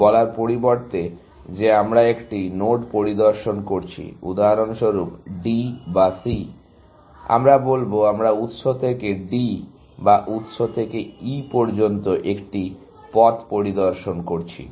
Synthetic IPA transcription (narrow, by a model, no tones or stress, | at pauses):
bɔlaɾpoɾiboɾt̪e | d͡ʑeamɾaekʈinoʈpoɾid̪oɾʃonkoɾt͡ɕʰḭṵd̪aɦɾonʃoɾupɖibasi | a̰mɾabolboamɾaut̪ʃot̪ʰekeɖi | baʔut̪ʃot̪ʰekeipoɾd͡ʑont̪oʔekʈi | pɔt̪poɾid̪oɾʃonkoɾt͡ɕʰḭ